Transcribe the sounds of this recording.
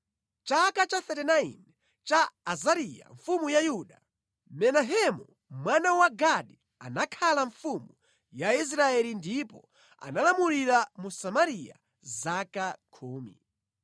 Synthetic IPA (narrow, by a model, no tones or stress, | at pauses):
t͡ʃakat͡ʃaθɛtɛnaḭn | t͡ʃaːzaɾija̰ɱfumujajuɗa | mɛnaɦɛmu | mwanawaɡaɗi | a̰nakʰalaɱfumu | jais̬ɾaɛlindipɔ | a̰nalamuliɾamusamaɾija̰ | zakakʰuːmḭ